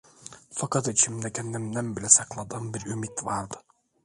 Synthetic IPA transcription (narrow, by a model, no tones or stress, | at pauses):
fɑkʰɑt̪it͡ʃʰimd̪ɛkʲʰɛnd̪æmd̪ænbilɛsɑqlˠɑd̪ɑnbiɾymit̪vɑɾd̪ɯ̥